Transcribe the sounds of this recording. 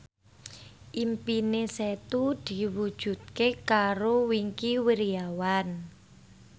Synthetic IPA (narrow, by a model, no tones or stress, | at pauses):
ʔimpineset̪ud̪̥i̤wud̥ʒ̥ṳd̪̥̚kekaɾowiŋkiwiɾiawan